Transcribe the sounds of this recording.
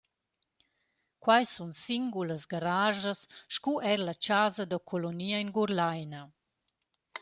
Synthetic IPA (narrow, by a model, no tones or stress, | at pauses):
kwajsunsiŋɡuləsɡaɾaːʒasʃkuʔɛɾlat͡ʃazad̪əkʰoloniːaiŋɡuɾlajna